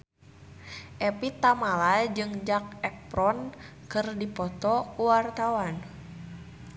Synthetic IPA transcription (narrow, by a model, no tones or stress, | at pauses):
ʔɛpit̪amalad͡ʒɨŋd͡ʒak̚ɛpɾɔnkɨrdipɔt̪ɔkuwart̪awan